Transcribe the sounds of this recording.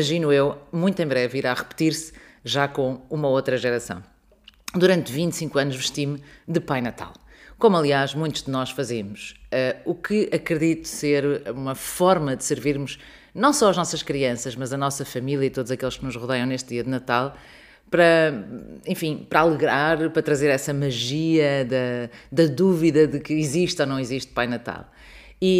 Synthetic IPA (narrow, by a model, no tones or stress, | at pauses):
imɐʒinuewmũj̃t̪ẽbɾɛviɾaʁɨpt̪iɾsʒakõumɐot̪ɾɐʒɨɾɐsɐ̰̃w̃ | d̪uɾɐ̃nt̪vĩnt̪sĩŋkwɐnuʒvɨʃt̪imd̪ɨpajnɐt̪a̰lˠ | komɐlˠiaʃmũj̃t̪uʒd̪ɨnɔʃfɐzemuʃɛukʰɨɐkɾɨðit̪u̥seɾumɐfɔɾmɐd̪ɨsɨɾviɾmuʃ | nɐ̃w̃sɔɐʒnɔsɐʃkɾiɐ̃sɐʃmɐzɐnɔsɐfɐmilˠjɐit̪oðuzɐkelˠʃknuʒʁuðɛjɐ̃w̃neʃt̪̚ðiɐðɨnɐt̪alˠ | pɾɐ | ẽfĩpɾɐalˠɨɣɾaɾpɾɐt̪ɾɐzeɾɛsɐmɐʒiɐðɐd̪ɐðuviðɐðɨkɨiziʃt̪onɐ̃w̃iziʃt̪̚pajnɐt̪a̰lˠ | i